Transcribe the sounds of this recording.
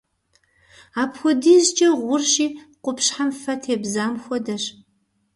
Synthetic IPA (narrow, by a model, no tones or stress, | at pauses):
aːpxʷɔdiːzt͡ʃʼɐʁʷʊrʃiːqʷʊpɕħamfɐtʰeːbzaːmxʷɔdɐɕ